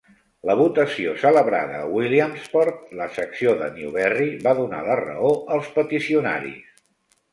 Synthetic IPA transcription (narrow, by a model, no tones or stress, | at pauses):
ləβ̞ut̪əsiosələβɾa̰ðəwiliəmspɔɾt̪ləsəksioðə̰niuβɛriβaðuna̰lərə̰oəlˠspət̪isiuna̰ɾḭs